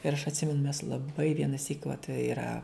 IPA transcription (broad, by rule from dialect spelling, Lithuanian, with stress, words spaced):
ɪr ɐʃ ɐtʲˈsʲɪmʲɛnʊ mʲɛs lˠɐˈbɐɪ ʋʲiɛnɐˈsʲiːk ʋɐt iːˈrɐ